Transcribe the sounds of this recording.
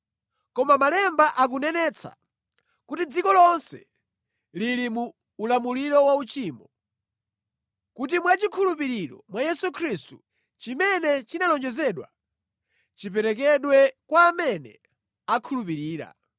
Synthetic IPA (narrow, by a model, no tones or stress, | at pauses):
kɔmamalɛmbaʔak̬unɛnɛt͡sʰa̰ | kutid͡zikɔlɔnsɛ̰ | lilimuː | lamuliɾɔwaut͡ʃiːmbɔ | kut̬imwat͡ʃikʰulup̬iɾiɾɔ̰mwajɛsukʰɾistu | t͡ʃimɛnɛt͡ʃinalɔnd͡ʒɛzɛɗwa̰ | t͡ʃipɛɾɛk̬ɛɗwɛkwaːmɛnɛ̰ | akʰulupiɾiːɾa̰